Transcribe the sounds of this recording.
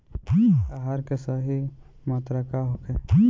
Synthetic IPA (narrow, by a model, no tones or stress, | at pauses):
aɦaɾkesaɦi | maːt̪ɾakaɦoke